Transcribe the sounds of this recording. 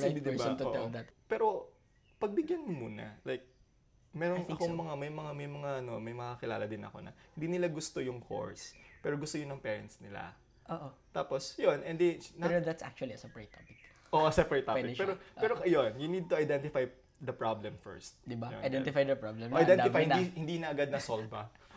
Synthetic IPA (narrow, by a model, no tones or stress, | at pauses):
d̪id̪ɪbɐt̪o̰ʔd̪ɐt̪pɛːɾo̞ | pɐɡ̚bɪɡjanmmuːnɐ̰lajk̚ | mɛːɾoŋɐkoŋmɐŋamɐjmɐŋamɐjmɐŋaʔɐno̞mɐjmɐkakɪlaːlɐd̪ɪnɐ̰ko̞̰nɐ̰hɪ̃nd̪iːnɪlaɡʊst̪o̞jʊŋko̰ɹspɛːɾoɡʊst̪oɲonɐŋpɛːɹɐnt̪snɪla̰ | ʔoːʔot̪aːpo̞sjonɛnd̪ɛnɛɾod̪at̪sʔa̰k̚t͡ʃʊɐliɐsɐpɹɛjt̪opɪk | ʔoʔsɐpɛjt̪aɪkpɛɾopɛːɾoɐjonjʊnid̪̚t̪ʊɐjd̪ɛnt̪ɪfaj | d̪ɐpɹablɛmfɛ̰ɹst̪̚d̪ɪbajo̰ɐjd̪ɛ̃t̪ɪfajd̪ɐpɹablɛmʔaj̪ɛnɪfajhɪnihɪnd̪inɐɐɡad̪̚nɐsolvɐ